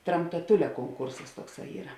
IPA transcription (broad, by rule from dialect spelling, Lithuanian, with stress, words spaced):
trɐmtɐˈtʊlʲɛ koːŋˈkʊrsɐs ˈtuɔkˌsɑː ˈiːrɐ